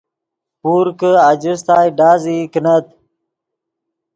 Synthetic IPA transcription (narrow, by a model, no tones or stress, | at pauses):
puːɾkəad͡ʑus̬t̪aːjɖaːzikənət̪